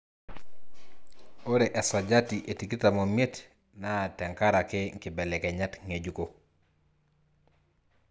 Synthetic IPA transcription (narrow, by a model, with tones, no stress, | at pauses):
o˦ɾe˨ʔe˨sa˨ɟa˦ti˨ʔe˨ti˨ki˦ta˨mo˨mie˦t | na˦˨tɛ˨ŋka˦ɾakeŋ̩˨ki˨bɛ˨lɛkeɲa˦tŋe˨ɟuko